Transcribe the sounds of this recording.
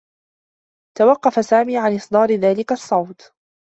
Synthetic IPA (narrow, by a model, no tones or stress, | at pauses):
t̪awɑqːɑfasaːmiːʕanʔɨsˤd̪ˤɑːɾɪðaːlɪkasˤːɑwt̪